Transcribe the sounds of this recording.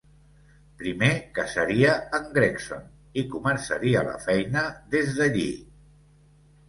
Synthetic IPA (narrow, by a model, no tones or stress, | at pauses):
pɾimekəsəɾiəːŋɡɾekso̰n | ikumənsəɾiələ̰fɛjnəðezðəʎḭ